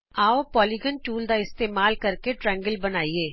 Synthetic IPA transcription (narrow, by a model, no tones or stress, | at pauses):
aːopɔːliɡənʈuːld̪aɪst̪eːmaːlkɐɾkeʈɾɛ̃ːŋɡəlbɐnaːieː